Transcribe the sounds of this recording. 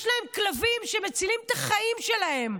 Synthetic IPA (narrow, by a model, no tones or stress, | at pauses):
ʃlae̞mklavimʃemet͡silimt̪aχaimʃe̞lahe̞m